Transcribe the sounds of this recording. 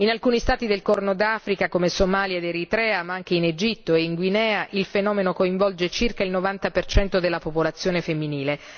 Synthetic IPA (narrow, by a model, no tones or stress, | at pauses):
inalkuːnist̪aːt̪id̪elkɔrnod̪aːfɾikakomesomaːljaed̪eɾit̪ɾɛːamaaŋk̟eined͡ʒit̪ːoeiŋɡwinɛːaʔilfenɔːmenokoiɱvɔld͡ʒet͡ʃirkailnovant̪apert͡ʃɛnt̪od̪elːapopolat̪sːjoːnefemːiniːle